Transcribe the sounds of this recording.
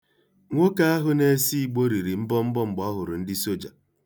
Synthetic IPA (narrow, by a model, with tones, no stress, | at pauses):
ŋʷo˦ka˦a˦ɦʊ˦ne˦si˦˨ɡ͡bo˦ɾi˨ɾi˨m̩˦bɔ˦m̩˦bɔ˦ŋ͡m̩˨ɡ͡bɔ˦ɦʊ˨ɾʊ˨n̩˦dɪ˦so˦d͡ʒa̰˨